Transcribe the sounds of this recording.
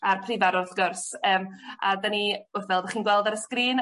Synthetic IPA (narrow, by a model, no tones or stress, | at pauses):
arpʰrivaɾʊðɡʊrsəːmadəniʊrθvɛlˠdəχiːnɡwɛlˠdaɾəskriːn